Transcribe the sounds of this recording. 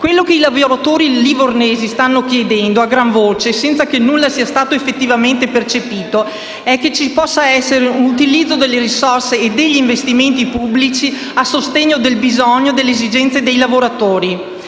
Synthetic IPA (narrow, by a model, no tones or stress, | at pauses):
kwelːokeilavoɾat̪oːɾiliborneːzist̪anːok̟jed̪ɛnd̪oaɡɾaɱvoːt͡ʃesɛnt̪sakenːulːasiːast̪aːt̪oefːet̪ːivament̪epert͡ʃepiːt̪o | ɛkːet͡ʃipɔsːaɛsːeɾeunut̪ilid̪zːod̪elːeɾisorseːd̪eʎːiːɱvest̪iment̪ipubːlit͡ʃi | asːost̪eɲːod̪elbizɔɲːod̪elːeːzid͡ʒɛnt̪sed̪ejlavoɾat̪oːɾi